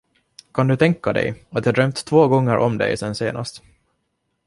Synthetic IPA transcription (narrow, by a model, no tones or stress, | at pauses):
kʰand̪ɵt̪ʰɛŋkːad̪ɛ̰jat̪jɑhːd̪ɾœmt̪ʰːvoːɡɔŋːəɾʔɔmd̪ɛ̰jsɛnːseːnʔa̰st̪